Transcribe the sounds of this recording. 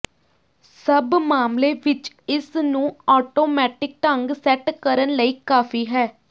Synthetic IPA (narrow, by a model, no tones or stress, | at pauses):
səbmaːmleːʋɪt͡ʃ | ɪsnũːɔːʈoːmɛːʈɪk̚ʈ̪əŋɡsɛʈkəɾənləiːkaːfʰiːɦɛː